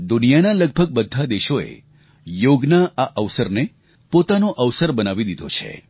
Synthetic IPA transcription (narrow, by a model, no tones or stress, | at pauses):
d̪unijanaləɡ̚bʱəɡ̚bəd̪ʱːad̪eʃoḛ | joɡnaaʔəʋsəɾne | pot̪anoʔəʋsəɾbənaʋid̪id̪ʱo̰t͡ʃʰḛ